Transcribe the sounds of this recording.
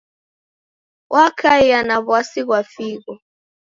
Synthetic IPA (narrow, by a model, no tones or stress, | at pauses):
wʔakʰaianaβwasiɣwafiɣɔ